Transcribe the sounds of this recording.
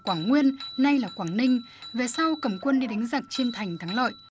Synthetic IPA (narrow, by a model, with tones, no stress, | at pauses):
kwaː˧˩ŋŋwi˧ənna˧jlaː˨˩kwaː˧˩ŋnï˧ŋ̟ | ve˨˩sa˧wkə˧˩mkwə˧nɗi˧ɗa˨˦ŋ̟zaː˨˩k̚t͡ɕi˧ənt̪ʰa˨˩jŋ̟t̪ʰaː˨˦ŋlɔ̰˧˨jʔ